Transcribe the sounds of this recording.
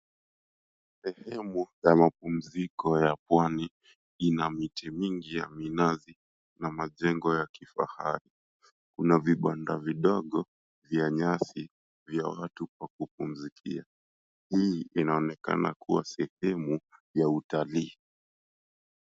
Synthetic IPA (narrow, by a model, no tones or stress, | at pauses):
sɛhɛmujamap̚um̩zikɔjapwani | inamitɛmiŋɡija̰minazi | namaʄɛŋɡɔjakifa̰ha̰ɾi | kunaviɓandaviɗɔɠɔ | vjaɲasi | vja̰watuk̚wakup̚um̩zikʰḭa | hiinaɔnɛka̰na̰kʰuwa̰sɛhɛmujautaliː